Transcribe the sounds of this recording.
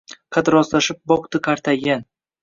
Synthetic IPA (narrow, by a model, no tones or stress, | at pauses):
kʰad̪ɾɒzlaʃɪp̚bɒqt̪ɨkʰaɾt̪ʰaɡʲan